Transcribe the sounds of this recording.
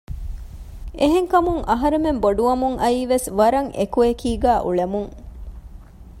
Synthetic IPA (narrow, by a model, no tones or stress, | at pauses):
eɦeŋkɐmuŋʔɐɦɐɾememboɖuʋɐmuŋʔɐiːʋesʋɐɾɐŋʔḛkuekiːɡæːʔuɭemuŋ